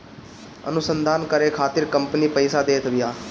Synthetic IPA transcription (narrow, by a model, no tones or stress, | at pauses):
ə̰nʊsənd̪aːnkəɾeːkʰaːt̪ɪɾkəmpəniːpəɪsaːd̪eːt̪ʰʋɪjaː